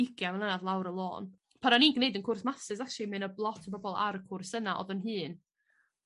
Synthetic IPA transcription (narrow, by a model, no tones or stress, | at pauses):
ɪɡjamɛnlˠənaðlˠawɾəlˠoːn | pʰaɾaniːnɡnejdənkʰʊrsmasɨzaʃimɨnəlˠɔtʰəbɔbɔlˠa̰ɾəkʰʊrsənaʔɔ̰ðɔnɦɨːn